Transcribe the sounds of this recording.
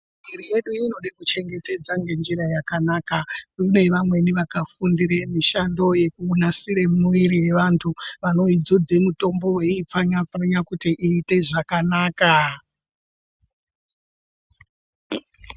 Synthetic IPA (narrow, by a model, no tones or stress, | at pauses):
miɾije̞ɗuino̞ɗakut͡ʃe̞ŋɡe̞te̞d͡zaŋɡe̞nd͡ʒiɾajakanaːkaune̞ʋamwe̞niʋakafundiɾemiʃando̞je̞kuːnasiɾemuʋiɾiwe̞ʋantʰuʋano̞id͡zod͡ze̞muto̞mbo̞weip͡faɲafraɲakutiʔiːte̞ʐakanaːka